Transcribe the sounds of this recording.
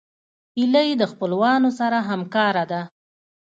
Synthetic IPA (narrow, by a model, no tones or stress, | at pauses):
iləjed̪əxpəlwɑnosaɾaɦamkɑɾad̪a